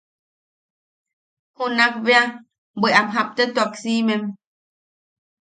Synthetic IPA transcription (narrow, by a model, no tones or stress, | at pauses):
hunak̚βea | biʔamɦap̚t̪ət̪uaksimem